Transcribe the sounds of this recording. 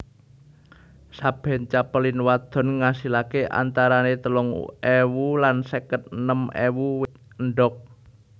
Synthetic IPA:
sab̥ɛ̤nt͡ʃapəlɪnwad̪̥ɔ̤nŋasilakeʔa̰nt̪aɾanet̪əlɔŋewulansekət̪̚nəmḛwuwɪt̪̚ | nɖɔk̚

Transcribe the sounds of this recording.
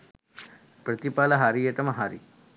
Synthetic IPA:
pɾɐt̪ipaːlɐɦaːɾijet̪ɐmɐɦaːɾḭ

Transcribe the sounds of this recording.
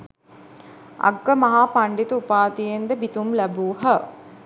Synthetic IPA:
a̰ɡːəmɐɦaːpaɳɖit̪əupaːt̪ijend̪əbit̪umlæbuːɦə

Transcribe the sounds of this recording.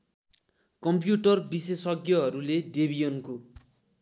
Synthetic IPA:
kʌmpjuʈʌrbisesʌɡjʌɦʌɾuledebijʌnko

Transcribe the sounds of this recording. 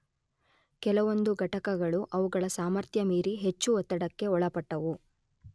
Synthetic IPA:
kɛlɐʋo̞nd̪uɡʱɐʈɐkɐɡɐɭuʔɐʋuɡɐɭɐsaːmɐɾt̪ʰjɐmiːɾiɦe̞t͡ʃːuɔt̪ːɐɽɐkːe̞ɔɭɐpɐʈːɐʋu

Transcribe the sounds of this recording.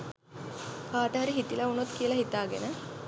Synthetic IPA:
kaːʈəɦaɾiɦit̪ilɐunot̪kijəlɐɦit̪aːɡḛnə

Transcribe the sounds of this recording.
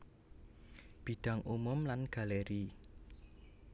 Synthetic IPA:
b̥i̤ɖ̥a̤ŋʔumʊmlanɡ̥a̤leɾi

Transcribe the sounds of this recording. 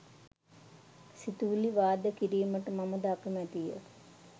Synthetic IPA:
sit̪uːliʋaːd̪əkiɾiːməʈəmaməd̪akəmæt̪ijə̰

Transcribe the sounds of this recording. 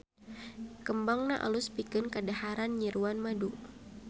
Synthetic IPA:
kəmbaŋnaʔa̰luspikɨnkədahaɾanɲiɾuanmadu

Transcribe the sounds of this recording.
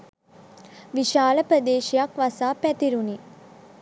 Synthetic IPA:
ʋiʃaːləpɾəd̪eːʃijakʋasaːpæt̪iɾuni

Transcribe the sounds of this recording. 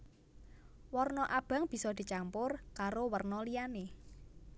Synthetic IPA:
wɔrnɔʔab̥ä̤ŋb̥i̤sɔd̪̥i̤t͡ʃampʊrkaɾowərnɔlijane

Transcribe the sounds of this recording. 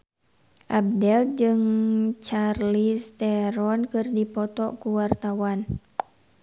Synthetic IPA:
ʔab̚dɛld͡ʒɨŋt͡ʃarlist̪ɛɾɔnkɨrdipɔt̪ɔkuwart̪awan

